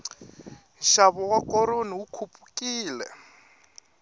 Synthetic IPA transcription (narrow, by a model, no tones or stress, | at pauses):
ʃaβɔwakɔɾoniwukʰupʼu̥kʼiːlɛ̰